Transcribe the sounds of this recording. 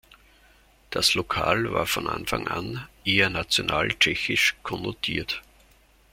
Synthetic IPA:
d̥aslokʰa̰ːlva̰ːɐfɔnʔa̰nfa̰ŋʔa̰nʔeːənat͡sjonʔaːlt͡ʃɛçɪʃkʰɔnotʰiːɐt

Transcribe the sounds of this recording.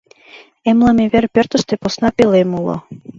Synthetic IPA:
emlɑmeβerpørt̪ə̆ʃt̪eposnɑpelemulo̰

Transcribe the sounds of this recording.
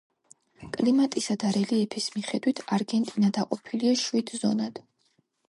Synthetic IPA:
kʼlimat̪ʼisad̪aɾɛliɛpʰismiχɛd̪wit̪ʰaɾɡɛnt̪ʼinad̪aqʼɔpʰiliaʃwid̪zɔnad̪̥

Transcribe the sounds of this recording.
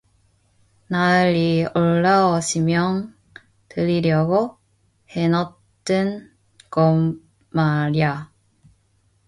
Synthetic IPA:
naɯɾioɭːaʌɕʰimjʌŋ | tɯɾiɾjʌɡo | henʌ | t͈ɯn | kʌmː | aɾia

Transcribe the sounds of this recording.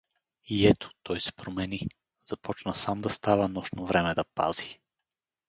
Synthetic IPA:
iɛt̪ʰo̥t̪ɔjsɛ̥pɾomɛni | z̥ɐpɔt͡ʃnəsamd̪ɐst̪avənɔʃnovɾɛmɛd̪ɐpa̰zi̥

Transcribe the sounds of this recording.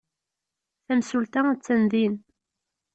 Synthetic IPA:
θæmsult̪æt͡sːænðin

